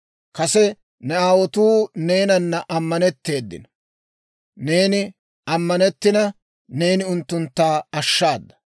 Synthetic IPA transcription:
kɐsɛ | nɛaːwɔt̪uːne̞ːnɐnːɐʔɐmːɐnɛt̪ːe̞ːd̪ːɪ̰n | ne̞ːnɪ | ɐmːɐnɛt̪ːɪnɐ | ne̞ːnɪʊnt̪ːʊnt̪ːaːɐʃːaːd̪ːɐ̥

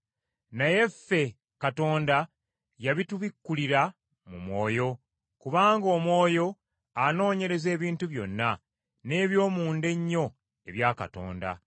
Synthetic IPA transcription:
naje̞fːe̞ | kato̞ːnda | jaβituβikːuliɾa | mṵmwo̞ːjo̞ | kuβaːŋɡo̞ːmwo̞ːjo̞ | ano̞ːɲe̞ɾe̞ze̞ːβiːntuβjo̞nːa | ne̞ːβjo̞ːmuːnde̞ɲːo̞ | e̞βjaːka̰to̞̰ːnda̰

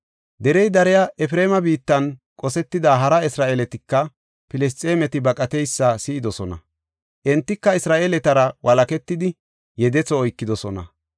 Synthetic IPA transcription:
d̪ɛɾɛjd̪ɐɾɛjaʔɛfɾeːmɐbiːt̪ːɐnkʼɔsɛt̪ːɪd̪aːɦɐɾɐɪsɾaːʔeːlɛt̪ɪkːɐ | pɪlɛs̬t͡sʼeːmɛt̪ɪbɐkʼɐt̪ɛjsːɐsɪːd̪ɔsɔnɐ̰ | ʔɛnt̪ːɪkːɐɪsɾaːʔeːlɛt̪ɐɾɐwʔɐlɐkɛt̪ːɪd̪ɪ | jɛd̪ɛt͡sɔːjkːɪd̪ɔsɔnɐ̰

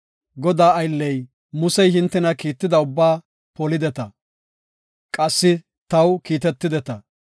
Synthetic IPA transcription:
ɡɔd̪aːɐjlːɛj | mʊsɛjɦɪnt̪ːɛnɐkiːt̪ːɪd̪ɐʊbːaː | pɔlɪd̪ɛt̪ɐ | kʼɐsːɪ | t̪ɐwkiːt̪ɛt̪ːɪd̪ɛt̪ɐ

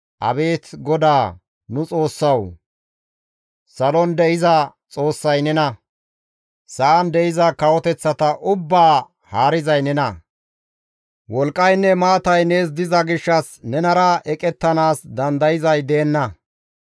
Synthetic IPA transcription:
ʔɐ̰be̞ːt̪ɡɔd̪aː | nʊt͡sʼo̞ːsːɐw | sɐlɔnd̪ɛʔɪzɐt͡sʼo̞ːsːɐjnɛnɐ | sɐʔɐnd̪ɛʔɪzɐkɐwɔt̪ɛt͡sːɐt̪ɐʔʊbːaː | haːɾɪzɐjnɛnɐ | wɔlkʼːɐjnːɛmaːt̪ɐjne̞ːs̬d̪ɪzɐɡɪʃːɐsnɛnɐɾɐʔɛkʼɛt̪ːɐnaːsd̪ɐnd̪ɐjɪzɐjd̪eːnːɐ

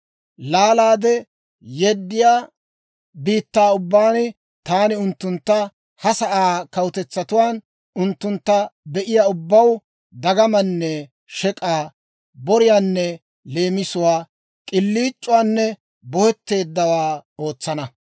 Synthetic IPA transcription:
laːlaːd̪ɛ | jɛd̪ːɪjaː | biːt̪ːaːʊbːaːnɪ | t̪aːnɪʊnt̪ːʊnt̪ːɐ | hɐsɐʔaːkɐwt̪ɛt͡sːɐt̪ʊwaːn | ʊnt̪ːʊnt̪ːɐbɛʔɪjaːʊbːɐw | d̪ɐɡɐmɐnːɛ | ʃɛkʼaː | bɔɾɪjaːnːɛ | le̞ːmɪsʊwaː | kʼɪlːiːt͡ʃʼːʊwaːnːɛ | bɔhɛt̪ːe̞ːd̪ːɐwaːo̞ːt͡sːɐnɐ

